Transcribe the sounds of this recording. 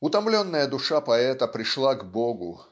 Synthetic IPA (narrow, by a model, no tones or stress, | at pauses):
ʊt̪ɐmlʲonːəjəd̪ʊʂapɐɛt̪əpɾʲɪʂlˠaɡboɡʊ̰